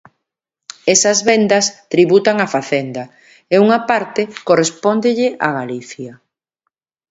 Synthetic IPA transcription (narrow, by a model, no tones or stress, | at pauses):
ɛsɐzβend̪ɐst̪ɾiβut̪aŋafaθend̪ɐ | euŋapaɾt̪ekorespond̪ɪʎɪʔaɣaliθjɐ